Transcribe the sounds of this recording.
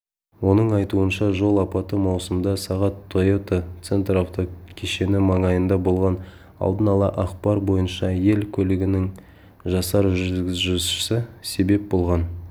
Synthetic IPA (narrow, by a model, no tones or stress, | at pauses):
wo̞nəɴɑjt̪uənʃɑʒo̞lˠɑpɑt̪əmɑwsəmd̪ɑsɑʁɑt̪ʰːojot̪ot̪se̞nt̪ɾɑwt̪okʲʰeʃe̞nɪmɑŋɑjənd̪ɑbo̞lˠʁɑn | ɑ̰lˠd̪ənɑlˠɑ̰ʔɑqpɑɾbo̞jənʃɑje̞lkʲʰɵlɪɡʲɪnɪŋ | ʒɑsɑɾʒʏzɡʲɪzʒɪʃɪsɪse̞be̞p̚bo̞lˠʁɑn